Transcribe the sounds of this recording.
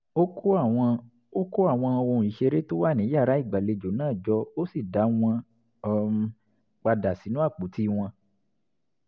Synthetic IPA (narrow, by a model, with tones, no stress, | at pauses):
o˦ko˦a˦˨ɔ̃˧ | o˦ko˦a˦˨w̃ɔ̃˧ɔ˧wɔ̃˧˨i˨ʃe˧ɾe˦to˦wa˦˨nĩ˨˦ja˦˨ɾa˨˦i˦˨ɡ͡ba˨le˨˧d͡ʒo˨˦nãː˦˨d͡ʒɔ˦o˦si˦˨da˨˦w̃ɔ̃˧˨ | k͡pa˧da˨si˨˦nũ˦a˦˨k͡po˨˦ti˦˧w̃ɔ̃˧